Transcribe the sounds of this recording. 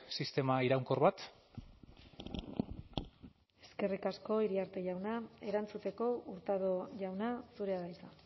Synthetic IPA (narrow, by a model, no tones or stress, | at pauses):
sist̪e̞maiɾawŋkoɾβat̪ | e̞ske̞rikasko̞iɾiaɾt̪e̞ʝawnae̞ɾant͡sut̪e̞ko̞uɾt̪aðoʝawnasuɾe̞aðajt͡sa